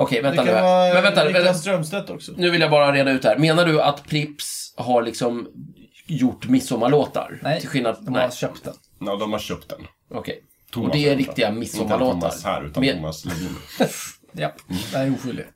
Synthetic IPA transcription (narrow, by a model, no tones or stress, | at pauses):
ʔɔkʰɛjvɛnt̪anːɛnvɛnt̪avɛst̪ɾœmst̪ɛt̪ːɔksɔnʉ̟vɪljabɑːɾaɾeːd̪aʉ̟t̪d̪ɛhæːɾmeːnaɖɵat̪pʰɾɪpsɦaɭɪksɔm | jʊʈːmɪsːɔmːaɭoːt̪a̰ɾɪlɧɪlnad̪nɛ̰œpt̪d̪ɛnː | d̪ɔmhaɾɕœp̚t̪d̪ɛn | ɔkʰɛj | t̪ʰʊɔd̪ɛːɾɪkt̪ɪɡamɪsːɔmːaloːtt̪a̰ɾhæ̰ːɾʉ̰ːt̪ammːaslɛvḭː | jad̪uːɧʏld̪ɪ̰ɡ